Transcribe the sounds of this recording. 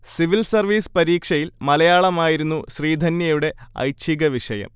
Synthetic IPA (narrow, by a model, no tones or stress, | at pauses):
siʋilsɐrʋiːspɐɾiːkʂɐjilmɐlɐjaːɭɐmaːjiɾunːuɕriːd̪ʱɐnjɐjuɽe̞ɐ̰jt͡ɕʰiɣɐʋiʂɐjɐ̰m